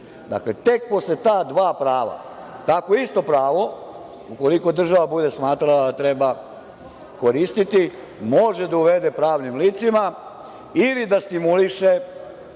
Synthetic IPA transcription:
d̪a̰kle̞t̪e̞k̚po̞slet̪aːd̪ʋaːpɾaːʋa̰t̪akoist̪o̞pɾaːʋo̞ | uko̞liko̞d̪r̩ʒaʋabud̪e̞smaːt̪ɾalad̪at̪ɾe̞ba | ko̞ɾist̪it̪i | mo̞ʒe̞d̪auʋe̞d̪e̞pɾaːʋnimliːt̪sima | ilid̪ast̪imuliʃe

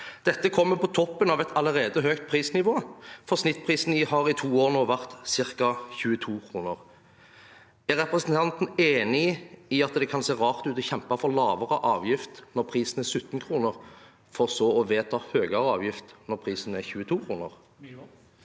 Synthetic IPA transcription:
d̪̥ɛt̪ːəkʰɔmːəpɔt̪ʰɔpːənɑʋɛt̪ʰɑləʁeːd̪əɦøːkt̪̚pʰʁiːsnɪʋoːfɔʁsnɪt̪ːpʰʁiːsn̩ɪhɑːʁɪt̪ʰuːoːʁnoːʋæʁt̪sɪʁkɑçʉːət̪ʰuːkʰɾuːnəʁ | æʁɛpʁɛsnt̪ʰɑnt̪n̩eːnɪiɑt̪d̪ɛkʰɑnseːʁɑːʁt̪ʉːt̪ɔçɛmpɑfɔʁlɑːʋəʁəʔɑːʋjɪft̪nɔʁpʰʁiːsn̩æsʉt̪ːn̩kʰɾuːnəʁ | fɔʁsɔɔʋeːt̪ʰɑːhøːɡəʁəɑ̰ːʋjɪft̪nɔʁpʰʁiːsn̩æçʉːət̪ʰuːkʰʁuːnəʁ

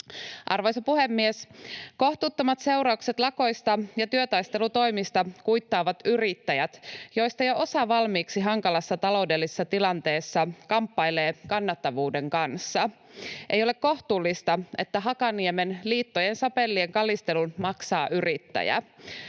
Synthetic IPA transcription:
ʔɑrʋojsopuɦemːiesko̞ht̪ut̪ːomɑt̪se̞wɾɑukse̞t̪lɑko̞jst̪ɑjɑt̪yøt̪ɑjst̪e̞lut̪o̞jmist̪ɑkujt̪ːɑːʋɑt̪yrit̪ːæjæt̪jo̞jst̪ɑjoʔo̞sɑʋɑlmiːksiɦɑŋkɑlɑsːɑt̪ɑlo̞ude̞lːise̥sːɑt̪ilɑnt̪e̞ːsːɑkɑmpːɑjle̞ːkɑnːɑt̪ːɑʋuːde̞ŋkɑnsːɑ | ʔe̞jole̞kkːo̞ht̪uːlːist̪ɑe̞t̪ːæɦɑkɑniemenliːt̪ːo̞jensɑpe̞lːieŋkɑlist̪e̞lunmɑksɑːʔyrit̪ːæ̰jæ̰

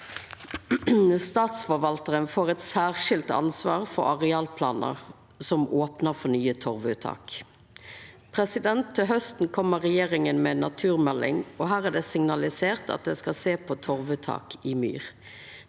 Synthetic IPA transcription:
st̪ɑːt̪sfɔɾʋɑlt̪əʁənfoːʁɛt̪sæːʁʃɪlt̪ɑ̰nsʋɑ̰ːʁfɔ̰ɾɑʁɛɑːlpʰlɑ̰ːnə̰ʁ | sɔmoːpnəʁfɔnyːət̪ʰɔʁʋʉt̪ʰɑ̰ːk | pʰʁɛsɪd̪ɛnt̪ʰːɪlɦœst̪n̩kʰɔmːəʁɛjeːʁɪŋənmɛnɑt̪ʰʉːʁmɛlːɪ̰ŋɔɦæːʁæːd̪ɛsɪŋnɑlɪseːʁt̪ɑ̰t̪̚d̪ɛskɑseːpʰɔt̪ʰɔʁʋʉt̪ʰɑ̰ːkɪmy̰ːʁ

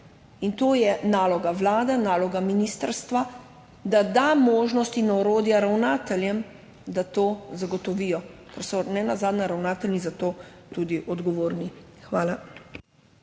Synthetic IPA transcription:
int̪oːjɛnaːlɔɡaʋlaːd̪ɛnaːlɔɡaminist̪əɾst̪ʋa | d̪ad̪amoːʒnɔst̪inɔɾoːd̪jaɾawnaːt̪ɛljɛm | d̪at̪oːzaɡɔt̪ɔʋiːjɔkɛɾsɔnɛnazaːd̪naɾawnaːt̪ɛlnizat̪oːt̪uːd̪iʔɔd̪ɡɔʋoːɾnixʋaːla

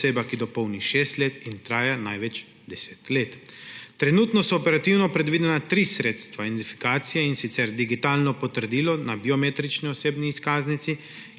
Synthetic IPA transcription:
seːbakid̪ɔpowniʃeːst̪leːt̪int̪ɾaːjanajʋɛt͡ʃ | d̪ɛse̥ːt̪leːt̪ːɾɛnuːt̪nɔsɔːpɛɾat̪iwnɔpɾɛd̪ʋiːd̪ɛnat̪ɾiːsɾeːt̪st̪ʋad̪ent̪ifi̥kaːt̪sijɛinsit̪sɛɾd̪iɡit̪aːlnɔpɔt̪əɾd̪iːlɔnabiomeːt̪ɾit͡ʃniɔseːbniːskaːznit̪si

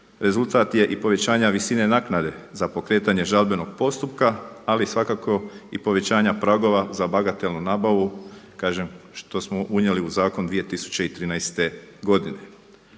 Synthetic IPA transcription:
ɾe̞zulˠt̪aːt̪je̞ʔipo̞ʋe̞t͡ɕaːɲaʋisine̞naːknad̪e̞zapo̞kɾe̞ːt̪aɲe̞ʒalbe̞no̞ɡ̥po̞st̪upkaːlisʋakakʰo̞ipo̞ʋe̞t͡ɕaːɲapɾaɡo̞ʋazabaɡat̪e̞lnunaːbaʋukaːʒemʃt̪o̞smoʔuɲje̞liuzaːkond̪ʋije̞t̪isu̥t͡ɕe̞it̪ɾiːnajst̪eɡo̞d̪ine

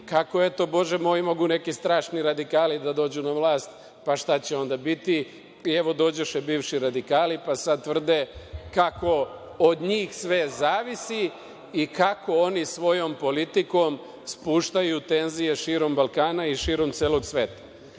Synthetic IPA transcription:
kako̞et̪o̞bo̞ʒemo̞ːimo̞ɡune̞kist̪ɾaːʃniɾad̪ikaːlid̪ad̪o̞ːd͡ʑunaʋlˠaːst̪ | paʃt̪at͡ɕe̞o̞nd̪abit̪i | ieʋo̞d̪o̞ːd͡ʑeʃebiːʋʃiɾad̪ikaːlipasad̪̚t̪ʋr̩d̪ekako̞ | od̪ɲiːxsʋe̞zaːʋisiː | kako̞o̞nisʋo̞jo̞mpo̞lit̪iko̞m | spuːʃt̪ajut̪e̞nzije̞ʃiːɾo̞mbalˠkaːnaiʃiːɾo̞mt̪seːlo̞ɡsʋeːt̪ḁ

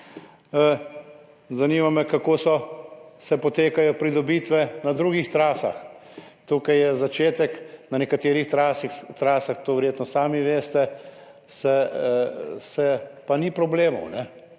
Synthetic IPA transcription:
zaniːmamɛkakoːsɔsɛpɔt̪eːkajɔpɾid̪ɔbit̪ʋɛnad̪ɾuːɡixt̪ɾaːsa̰x | t̪ukajjɛzat͡ʃeːt̪ɛknanɛkat̪eːɾixɾasit̪ɾaːsaxt̪oːʋɛɾjeːt̪nɔsaːmiʋeːst̪ɛ | sɛ | sɛpanipɾɔbleːmɔ̰wnɛ

